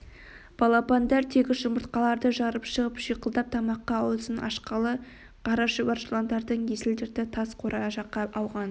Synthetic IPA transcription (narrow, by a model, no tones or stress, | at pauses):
b̥ɑlˠɑpɑnd̪ɑɾt̪ʰekʲɪʒʊməɾt̪qɑlˠɑɾd̪əʒɑɾəpʃəʁəpʒijqəlˠd̪ɑp̚t̪ʰɑmɑqːɑːwlˠsənʔɑ̰ʃqɑlˠə | qʰɑɾɑʃəvɑɾʃelˠond̪ɑɾd̪əɴjesɪld̪ɪɾt̪ɪt̪ʰɑsqʰoɾʔɑʒɑqːɑɑwʁɑn